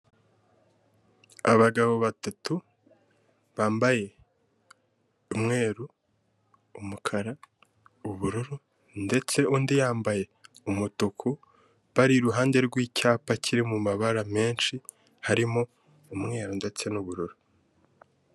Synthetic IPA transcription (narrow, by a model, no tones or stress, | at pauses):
aβaɡaβo̞βatatu | βaːmbaje̞ | umŋe̞ːɾuː | mukʰaɾa | uβuɾuɾu | nde̞t͡se̞uːndijaːmbaje̞umutukʰu | βaɾiɾuɦaːnde̞ɾɡwiːcʰaːpacʰiɾimumaβaɾame̞ːnʃi | haɾimo | umŋe̞ːɾunde̞t͡se̞nuβuɾuɾu